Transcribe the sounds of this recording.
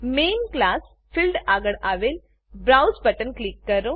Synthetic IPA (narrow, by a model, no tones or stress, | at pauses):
menklas | filɖaɡəɽaʋel | bɾawsbəʈənklikːəɾo